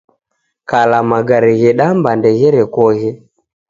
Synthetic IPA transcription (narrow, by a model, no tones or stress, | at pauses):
kalamaɡaɾiɣɛɗambandɛɣɛɾɛkɔɣɛ